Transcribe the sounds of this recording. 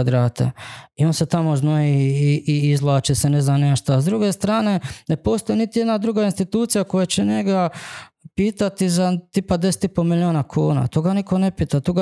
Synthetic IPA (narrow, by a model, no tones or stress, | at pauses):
ad̪ɾaːt̪ʰḛio̞nset̪amo̞znoiiiizlˠaːt͡ʃesene̞znamneʃt̪oazd̪ɾuɡe̞st̪ɾaːne̞ne̞po̞st̪ojnit̪ije̞d̪nad̪ɾuɡainst̪it̪uːt̪sijako̞jet͡ɕeɲe̞ɡapiːt̪at̪izat̪ipad̪eset̪ipo̞milio̞ːnakʰuːna̰t̪oːɡaniko̞ne̞piːt̪at̪oːɡa